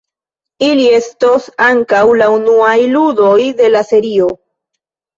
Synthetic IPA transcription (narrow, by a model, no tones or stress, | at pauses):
ilie̞stosaŋkawlaunuajludo̞jde̞lase̞ɾio̞